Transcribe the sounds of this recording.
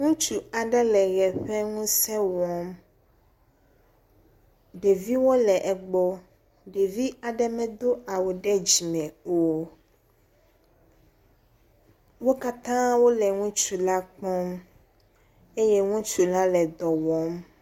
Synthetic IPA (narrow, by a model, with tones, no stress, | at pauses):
ŋũ˦t͡ʃu˨a˨ɖɛ˦lɛ˨ɣɛ˨ɸɛ˦ŋũ˦sɛ˦wɔ˦m | ɖe˨vi˦wo˦lɛ˨ʔɛ˨ɡ͡bɔ˦ | ɖe˨vi˦a˨ɖɛ˦mɛ̃˦d̪o˦a˨wo˨ɖɛ˦d͡ʑi˨mɛ̃˨o˦ | wo˦ka˦t̪ã˦wo˦lɛ˨ŋũ˦t͡ʃu˨la˦k͡pɔ˦m | e˦je˦ŋũ˦t͡ʃu˨la˦lɛ˨d̪ɔ˨wɔ˦m